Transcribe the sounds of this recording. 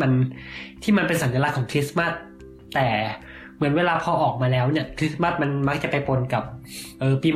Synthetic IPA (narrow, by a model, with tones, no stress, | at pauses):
a˧nt̪ʰiː˥˩ma˧npe˧nsa˨˦nt̪i˧la˦˥kʰːɔː˩˦ŋkʰɾi˦˥sma˥˩t̪̚ː | ɛː˨˩ | mɯ˩˦nweː˧laː˧pʰɔː˧ʔɔː˨˩k̚maː˧lɛː˦˥wni˥˩ɐkʰɾi˦˥sma˥˩t̪̚ma˧nma˦˥k̚t͡ɕa˨˩pa˧jpo˧nka˨˩p̚ʔɤː˨˧piː˧m